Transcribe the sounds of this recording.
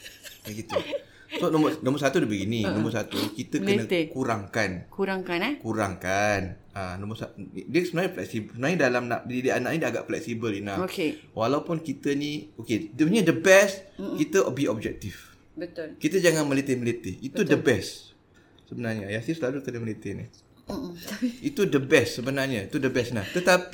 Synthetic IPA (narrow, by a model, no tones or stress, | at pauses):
aɡit̪u | sonɔ̃mənɔ̃məs̬at̪udibəɡininɔ̃məs̬at̪ukit̪əkənət̪kuɾaŋkankuɾaŋkanɛkuɾaŋkan | anɔ̃məsadəsəbənaɲaflɛ̰k̚sibsəbənaɲadalamnã̰ʔdidianaʔ̚nidaaɡa̰ʔflɛk̚sibəlinaokewalawpunkit̪əniokedɲadəbɛstkit̪əʔbiɔb̚d͡ʒɛk̚t̪if | bət̪ʊlkit̪əd͡ʒaŋanmə̃let̪ɪhmlet̪ɪhit̪uddəbɛs | səbənarɲaajasisəlalut̪ənəməlet̪ɪni | it̪udəbɛssəbənarɲait̪udəbɛsnat̪ət̪api